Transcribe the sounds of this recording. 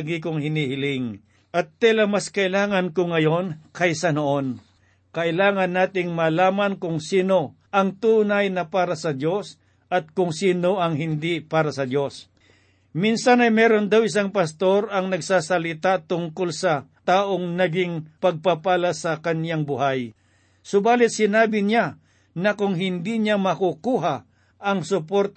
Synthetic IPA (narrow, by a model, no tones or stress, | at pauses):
ɡikʊŋhɪniːhɪlɪŋ | ʔɐt̪ːɛlɐmaskɐʔɪlaːŋɐnkʊŋɐjo̞nkɐjsɐnoʔo̞n | kɐʔɪlaːŋɐnːaːt̪ɪŋmalaːmɐnkʊŋsiːno̞ | ʔɐŋt̪uːnajnɐpaːɾɐsɐd̪jo̞s | ʔɐt̪̚kʊŋsiːno̞ʔɐŋɦɪnd̪ipaːɾɐsɐd̪jo̞s | minsanɐjmɛːɾond̪awɪs̬aŋpɐst̪o̞ɾɐŋnɐɡsaːsɐlɪt̪at̪ʊŋkolsɐt̪aːʔoŋnɐɡɪŋpɐɡ̚papaːlasɐkɐnjaŋbʊhaj | sʊbaːlɪt̪̚sɪnaːbɪɲa | nɐkʊŋɦɪnd̪iɲamɐkʊkuːɦa | ɐŋsʊpoɾt̪